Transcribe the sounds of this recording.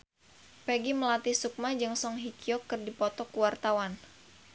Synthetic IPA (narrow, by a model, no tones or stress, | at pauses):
peɡiməlat̪isuk̚mad͡ʒɨŋsɔŋɦikiɔkːərdipɔt̪ɔkuwart̪awan